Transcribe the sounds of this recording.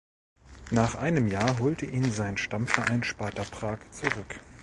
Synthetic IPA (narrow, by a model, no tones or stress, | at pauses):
naːχʔaɪnəmjaːɐɦoːltəʔiːnzaɪnʃtamfɛɐʔaɪnʃpaːtɐpʁ̥aːkt͡suʁʏk